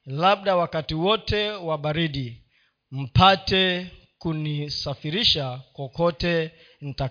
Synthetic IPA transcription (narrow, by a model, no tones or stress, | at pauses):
laɓɗawakatiwɔtɛwaɓaɾiɗi | m̩patɛ | kunisafiɾiʃakɔkɔtɛ | n̩ta